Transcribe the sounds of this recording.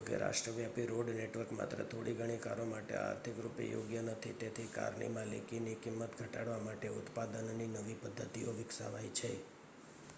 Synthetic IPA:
ɡḛɾa̰ʃʈɾəʋjapiɾoɖneʈʋəɾkma̰t̪ɾə̰t̪ʰoɽʔiɡʱəɽ̃ika̰ɾomaʈḛa̰ɾt̪ʰikɾupḛjo̰ɡjənət̪ʰit̪et̪ʰika̰ɾɳḭmãlḛkinikɪmːət̪ɡʱəʈaɽʋamaʈeʊt̪pad̪ənninəʋipəd̪ʱːət̪ioʋɪksa̰ʋajt͡ʃʰe

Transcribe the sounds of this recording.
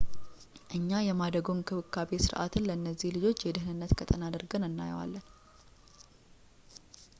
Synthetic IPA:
ʔɨɲːajɛmad̪əɡumkʰɨβɨkʰːabesɨɾʔa̰t̪ʰɨnləɨnːəzːihlɨd͡ʒo̞t͡ʃːjɛd̪ɨhnɨnːət̪kʰət̪ʼənad̪əɾɡənɨnːa̰j̰wa̰lːən

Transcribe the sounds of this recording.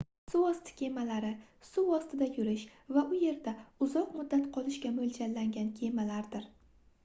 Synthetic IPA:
suɒst̪ʰɪ̥kʲʰe̞malaɾɪ | sʊvɒst̪ɪd̪ajʊɾɪʃvaʔʊje̞ɾd̪aʊzɒqmʊd̪ːat̪qʰɒlˠɪʃkʲamold͡ʒanlːaŋɡʲankʲʰe̞malaɾd̪ɪɾ

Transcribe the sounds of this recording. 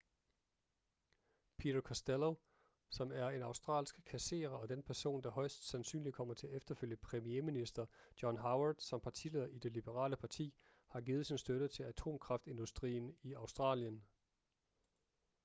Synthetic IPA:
pʰḭdɐkʰɒsd̥elo | sɒ̽mæɐe̝nɑ̈ʊsd̥ʁɑ̰̈ːlsɡ̥kʰæse̝̰ːʁɐɒ̽d̥enpʰæɐso̝̰ːnd̥ɑ̈ɦɒ̽ɪsd̥sænsy̰ːnli̥kʰɒ̽m̰ɐt͡sʰe̝æɐefd̥ɐføl̰jəpʰʁɛmieminisd̥ɐd̥jɒnɦɑ̈ʊɐd̥sɒ̽mpʰɑ̈t͡sʰḭle̝ðˠɐʔid̥e̝lib̥əʁɑ̰̈ːləpʰɑ̈t͡sʰḭː | hɑ̈ɡiːð̩ˠsinsd̥øɾ̥ət͡sʰe̝læt͡sʰo̝̰ːmkʰʁɑ̈fd̥e̝nd̥usd̥ʁḭːniɑ̈ʊsd̥ʁɑ̰̈ːljən

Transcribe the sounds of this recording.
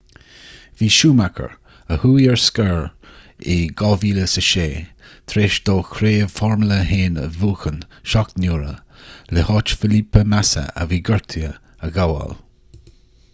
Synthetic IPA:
viːʃuːmakʰə̰ɹ | əhuːjɛɹskəɹ | ɪɡɔlviːləsəʃeː | t̪ʰɾeːʃd̪oːkʰɾeːəfɔɹmləheːnə̰vuːxən | ʃɔk̚t̪nuːɾə | lehɑːt͡ʃfɪlipəmasə̰ə̰viːɡəɹt̪ʰiə | əɡawa̰l

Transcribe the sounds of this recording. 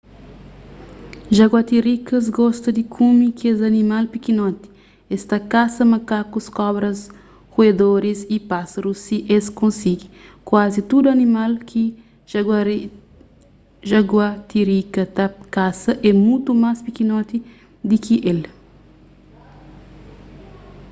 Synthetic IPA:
ʒaɡwat̪iɾikɐz̬ɡɔst̪ɐd̪ikʰumikezɐnimalpikinɔt̪i̥ | est̪akasɐmɐkakuskɔbɾɐs | kued̪oɾisipasɐɾusːiʔeskõnsiɡikwazit̪ud̪uɐnimalkʰi | ʒa | ʒaɡwat̪iɾikɐt̪akasɐʔɛmũt̪umaspikinɔt̪i | d̪ikʰiʔel

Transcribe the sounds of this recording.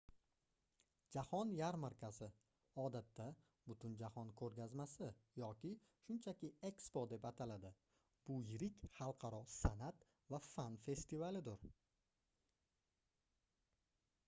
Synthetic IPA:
d͡ʒahɒnjaɾmaɾkʲʰasɪ | ɒd̪at̪ʰːa | bʊt̪ʰʊnd͡ʒahɒnkʰɵɾɡʲazmasɪjɒkʲɪ | ʃʊnt͡ʃʰakʲɪe̞kspod̪e̞pat̪ʰalad̪ɪ | b̥ʊjɪɾɪkʲχɑlˠqʰɑɾɒsanat̪ | vafanfe̞st̪ɪvalɪd̪ʊɾ

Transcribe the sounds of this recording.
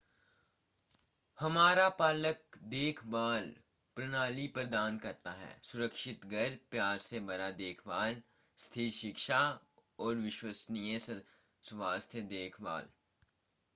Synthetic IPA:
hɐmaːɾapaːlək̚d̪eːkʰbaːl | pɾɐnaːlipəɾd̪aːnkɐɾt̪aɦɛ̰ːsʊɾəkʃɪt̪ɡʱɐɾpjaːɾsebɐɾad̪eːkʰbaːl | st̪ʰiːɾʃɪkʃa | ɔːɾʋɪʃwəsnijə̃s | sʋaːst̪ʰəd̪eːkʰba̰ːl

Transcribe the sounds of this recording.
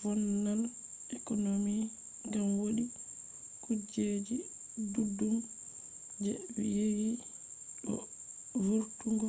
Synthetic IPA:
fɔnːal | ʔɛkɔnomi | ŋɡamwoɗi | kud͡ʒed͡ʒi | dudːum | d͡ʒɛjewi | ɗɔ̰ | vuɾtuŋɡɔ

